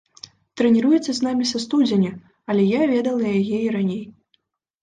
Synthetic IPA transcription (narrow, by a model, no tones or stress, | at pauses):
t̪ɾɛnʲiɾujɛt̪sːɐznamʲisɐst̪ud͡zʲenʲɐ | ɐlʲɛjavʲɛd̪ɐlˠɐjajɛiɾanʲej